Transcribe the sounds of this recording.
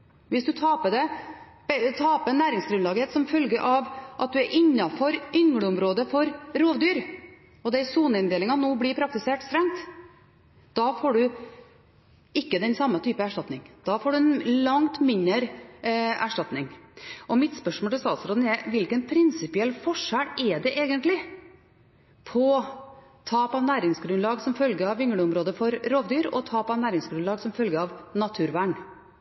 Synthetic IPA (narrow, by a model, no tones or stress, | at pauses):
ʋɪsd̪ʉt̪ʰɑːpəd̪ɛ | bt̪ʰɑːpənːæːɾɪŋsɡɾʉnlɑːɡɪheːt̪sɔmfœlɡəʔɑʋʔɑt̪̚d̪ʉæɾʔɪnːɑfɔɾʔʏŋɽəʊmɾoːd̪əfɔɾɾoːʋd̪yːɾ | ɔd̪ɛsuːnəɪnd̪eːlɪŋɑnoːblɪɾpʰɾɑkt̪ɪseːʈst̪ɾɛŋt̪ | d̪̥ɑːfoːɖʉ | ɪkːəd̪ɛnsɑmːət̪ʰyːpəæʂʈɑt̪nɪŋd̪̥ɑːfoːɖʉɛnlɑŋt̪mɪnːəɾ | æʂʈɑt̪nɪŋʔɔmɪt̪spœʂmɔːlt̪ɪlst̪ɑːt̪sɾoːd̪n̩ɛʋɪlkənpʰɾɪnsɪpɪɛlːfɔʂælɛɖɛʔeːɡənt̪lɪ | pʰɔ | t̪ʰɑːpɑʋnæːɾɪŋsɡɾʉnlɑːɡsɔmfœlɡəɑʋːɪŋɽəʊmɾoːd̪əfɔɾɾoːʋd̪yːɾɔ̰t̪ʰɑːpɑʋnæːɾɪŋsɡɾʉnlɑːɡsɔmfœlɡəɾɑʋnɑt̪ʰʉːɾʋæːɳ